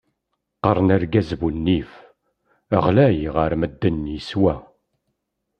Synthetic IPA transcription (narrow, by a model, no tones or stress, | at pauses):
qəɾˤənæɾɡæzvunːif | ə̰ʁlæjʁəɾməd̪ːənːjiswæ